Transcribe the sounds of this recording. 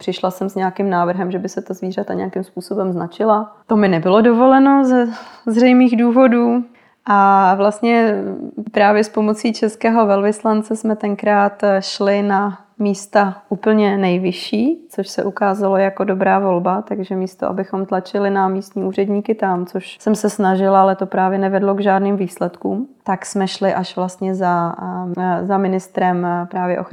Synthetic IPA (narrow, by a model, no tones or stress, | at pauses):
pr̥ɪʃlasɛmsɲɛakɪmnaːvr̩ɦɛmʒɛbɪsɛt̪azviːr̝at̪aɲɛ̰akɪmspuːso̞bɛmznat͡ʃɪlat̪o̞mɪnɛbɪlo̞do̞vo̞lɛno̞zɛzrɛjmiːɣduːvo̞duː | ʔavlast̪ɲɛ | pɾaːvjɛspo̞mo̞t͡siːt͡ʃɛskɛːɦo̞vɛlvɪslant͡sɛsmɛt̪ɛŋkɾaːt̪ʃlɪna | miːst̪aʔuːpl̩ɲɛnɛjvɪʃiːt͡soʃsɛʔukaːzalo̞jako̞do̞bɾaːvo̞lbat̪aɡʒɛmiːst̪oʔa̰bɪxo̞mt̪lat͡ʃɪlɪnamiːst̪ɲiːuːr̝ɛdɲiːkɪt̪amt͡soʃsɛmsɛsnaʒɪlalɛt̪o̞pɾaːvjɛnɛvɛdlo̞ɡʒaːdniːmviːslɛt̪kuːmt̪aksmɛʃlɪʔaʃvlast̪ɲɛza | zamɪnɪst̪ɾɛmpɾaːvjɛʔox